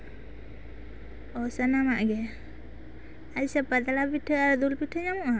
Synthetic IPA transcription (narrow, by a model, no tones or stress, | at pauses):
ɔsənamaʔɡɛ | aisapəd̪alapiʈʰəaɾd̪ulpiʈʰəɲamuʔa